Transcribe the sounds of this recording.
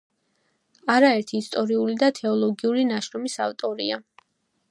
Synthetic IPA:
aɾaɛɾt̪ʰiːst̪ʼɔɾiulid̪at̪ʰɛɔlˠɔɡiulinaʃɾɔmisa̰ft̪ʼɔɾḭa

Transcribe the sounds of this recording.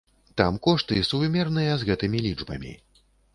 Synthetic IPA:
t̪amkɔʂt̪ɨsuvmʲɛrnɨjɐzɣɛt̪ɨmʲilʲid͡ʐbɐ̰mʲḭ

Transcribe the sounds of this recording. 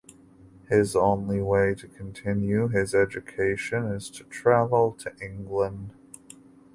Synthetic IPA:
hɪzõʊ̃nliweɪɾɨkʰn̩tʰɪ̃njʉɪzɛd͡ʒɨkʰeɪʃɨ̃nɪz̥tʰɨ̥tʰɹ̥ævl̩ˠtʰɨʔɪ̃ŋɡlə̃nd̥

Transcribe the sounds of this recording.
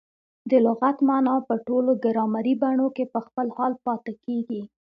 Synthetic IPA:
d̪əlʊɣat̪mɑnɑpəʈoloɡəɾɑmaɾibaɳokepəxpəlhɑlpɑt̪ɪkeɡi

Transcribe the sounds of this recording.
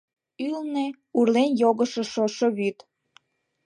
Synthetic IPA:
ylne | urlenjoɣəʃeʃoʃoβyt̪

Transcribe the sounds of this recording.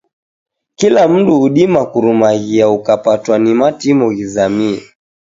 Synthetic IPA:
kilam̩duuɗimakuɾumaɣiaukapatwanimatimɔɣizamia

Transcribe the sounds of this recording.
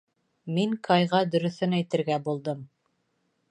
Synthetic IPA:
miŋkʰɑjʁɑd̪ɵ̆ɾɵ̆θɵnæjt̪ɘ̆ɾɡæbulˠd̪ɤm

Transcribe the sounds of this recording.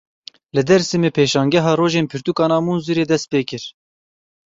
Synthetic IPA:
lɨd̪ɛɾsimepʰeːʃɑːŋɡʲɛɦɑːɾoːʒeːnpʰɪɾt̪uːkɑːnɑːmuːnzuɾeːd̪ɛst̪̚peːkɪɾ

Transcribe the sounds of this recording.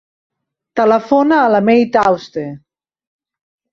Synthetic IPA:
t̪ələfonaːlamejt̪awst̪e

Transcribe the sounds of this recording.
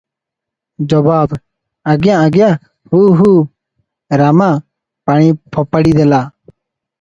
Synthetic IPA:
d͡ʒɔbaːb | əɡɪjãːəɡjãː | huːɦuː | ɾamãː | paːɳ̃ĩːpʰɔːpəɽiːd̪elaː

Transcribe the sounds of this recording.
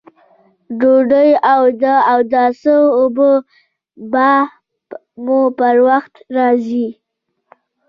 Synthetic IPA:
ɖoɖəjawd̪əawd̪asəobə | ba | mupəɾwaxt̪ɾɑzi

